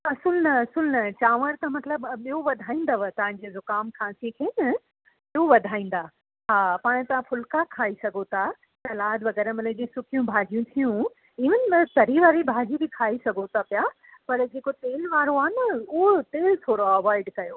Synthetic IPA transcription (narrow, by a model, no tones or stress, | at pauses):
ɐsəlnɐɐsəlnɐt͡ɕaːʋəɾt̪ɐmɐt̪ləbɓijoʋɐd̪ʱaːĩːnd̪ɐʋət̪ɐʋ̤ãɲd͡ʑezʊkaːmkʰãːsikʰeːnɐ | ioʋɐd̪ʱaːĩːn̆d̪a | ɦaːpaːɽ̃t̪ɐʋ̤ãfʊlkakʰaːisɐɡʱot̪ʰa | sɐlaːd̪ʋɐɣɛːɾəmɐled͡ʑesʊkʰijũbʱaːd͡ʑijũt̪ʰijũ | ɪʋənɪ̆mɐt̪ɐɾiʋaːɾibʱaːd͡ʑibɪkʰaːisɐɡʱot̪ʰapja | pɐɾd͡ʑeːkot̪eːlʋaːɾoaːnɪʊɦot̪eːlt̪ʰoːɾoɐʋaːɪɖkɐjoː